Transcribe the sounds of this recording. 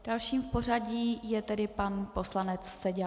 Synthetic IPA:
d̥alʃiːmfpo̞r̝aɟiːjɛt̪ɛdɪpanpo̞slanɛt͡ssɛɟɛ

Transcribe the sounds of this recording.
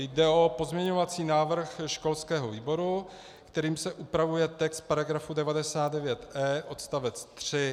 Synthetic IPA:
jdɛo̞po̞zmɲɛɲo̞vat͡siːnaːvr̩xʃko̞lskɛːɦo̞viːbo̞ɾu | kt̪ɛɾiːmsɛʔupɾavujɛt̪ɛkst̪̚paɾaɡɾafudɛvadɛsaːd̪dɛvjɛt̪ʔɛːʔo̞t̪st̪avɛt͡st̪r̝̥ɪ

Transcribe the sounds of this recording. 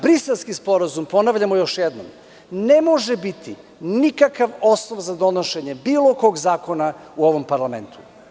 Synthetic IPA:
bɾiselˠskispo̞ɾazumpo̞naʋʎamojo̞ʃjed̪no̰m | ne̞mo̞ʒebit̪i | nikakaʋo̞snoʋzad̪o̞noʃeɲebiːlˠokoɡzaːko̞nauo̞ʋo̞mpaɾlˠame̞nt̪ʰu̥

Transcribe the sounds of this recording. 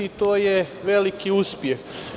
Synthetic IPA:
it̪oːjeʋelikiuspjex

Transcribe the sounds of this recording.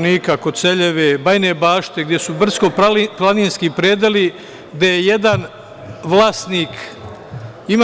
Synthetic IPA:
niːkakod̪t̪seʎe̞ʋebajnebaːʃt̪e̞ɡd̪jesubr̩zko̞plˠaniːnskipɾeːd̪eli | ɡd̪ejejed̪an | ʋlaːst̪niːk | im

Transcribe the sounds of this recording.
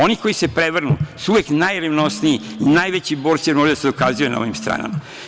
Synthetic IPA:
o̞niko̞jisepɾeʋr̩nṵsuuʋeknajɾeʋno̞sniiinajʋet͡ɕibo̞ːɾt̪siemoɾid̪ased̪o̞kazujena̰o̰ʋimst̪ɾa̰ːna̰ma

